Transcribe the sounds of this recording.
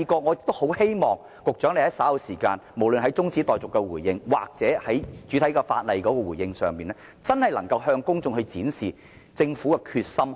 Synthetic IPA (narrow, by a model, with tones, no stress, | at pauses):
i˧kɔː˧ŋɔ˨˧jɪ˨k̚t̪o˥who˨˥whe˥jmɔː˨ŋ | kʊ˨k̚t͡ʃœ˨˥nle˧hɐ˨˥jsaː˨˥lɐ˧wsiː˨˩ka̰ː˧nmo˨˩wlɵ˨nɦɐ˨˥jt͡sʊ˥ŋt͡siː˨˥t̪ɔː˨jt͡sʊ˨kːɛ˧wuː˨˩jjɪ˧ŋwa̰ː˨k̚t͡sɛː˨˥hɐ˨˥jt͡ʃyː˨˥t̪ʰɐ˨˥jkaː˧fa̰ː˧t̚lɐ˨jkɔː˨˥kɔː˧wuː˨˩jɪ˧ŋsœː˨ŋmiː˨nlɛ˥ | t͡sɐ˥nhɐ˨jlɐ˨˩ŋkɐ˧wɦœː˧ŋkʊ˥ŋt͡sʊ˨˧ŋhɵ˧ɥt͡siː˨˥nsiː˨˩ | t͡sɪ˧ŋfuː˨˥kɛ˧kʰyː˧t̚sɐ˥m